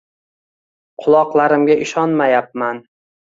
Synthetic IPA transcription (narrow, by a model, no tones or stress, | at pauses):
qʰʊlˠɒqlˠaɾɪmɡʲaʔɪʃɒnmajap̚man